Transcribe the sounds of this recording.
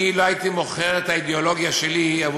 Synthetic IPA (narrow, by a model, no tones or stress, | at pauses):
iloait̪imo̞χeʁet̪aid̪eolo̞ɡjaʃeliav